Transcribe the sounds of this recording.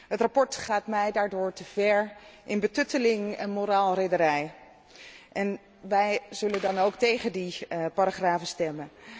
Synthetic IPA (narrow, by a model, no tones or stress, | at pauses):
ɦətrapɔɹtχaːtmɛjdaːɹdʊːɹtəvɛɹʔɪnbətɵtəlɪŋɛnmoɾaːlˠrejdəɾɛj | ʔɛn | ʋɛjzɵləndɑnowktejχəndipaɾaχraːvəstɛmən